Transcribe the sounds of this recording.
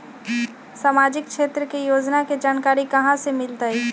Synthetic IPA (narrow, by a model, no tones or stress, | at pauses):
saːmaːd͡ʒɪk̚ʃeːt̪ɾəkejoːd͡ʒnaked͡ʒaːnkaːɾikɐɦãsemɪlt̪aiː